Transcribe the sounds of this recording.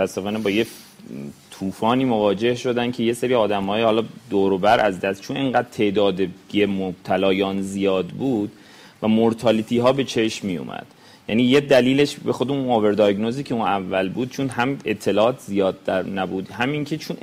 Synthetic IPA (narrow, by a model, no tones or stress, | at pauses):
ot̪ʰæsːe̞fɒːnebɒːje | t̪ʰuːfɒːniːmovɒːd͡ʒe̞hʃo̞d̪æncʰe̞je̞seɾiːɒːd̪æmhɒːjehɒːlɒːd̪oːɾobæɾʔæzd̪æst̪t͡ʃʰuneŋɢæːd̪̥̚t̪ʰe̞ʔd̪ɒːd̪ejemob̥̚t̪ʰælɒːjɒːnzijɒːd̪buːd̪ | væmoɾt̪ʰɒːlit̪ʰiːɦɒːbe̞t͡ʃʰe̞ʃmijo̰mʔæ̰d̪̥ | jæniːjed̪æliːle̞ʃbe̞xo̞d̪eunobe̞ɾd̪ɒɡnoziːcʰeũːnævːælbuːd̪̥̚t͡ʃʰunɦæme̞t̪ʰːe̞lɒːɒːt̪ʰzijɒːd̪̚ːæɾnæbuːd̪hæmiŋcʰe̞t͡ʃʰun